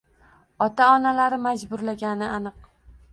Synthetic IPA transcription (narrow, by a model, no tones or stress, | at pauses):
ɒt̪aɒnalaɾɪmad͡ʒbʊɾlaɡʲanɪanɨq̚